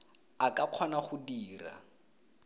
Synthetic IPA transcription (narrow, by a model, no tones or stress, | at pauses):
akʼaq͡χʰɔnaχʊdiːra̰